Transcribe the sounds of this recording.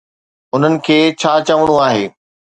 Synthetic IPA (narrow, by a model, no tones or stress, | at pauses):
ʊn̤ənɪ̆kʰeːt͡ɕʰaːt͡ɕɐʋəɽ̃uaːɦḛː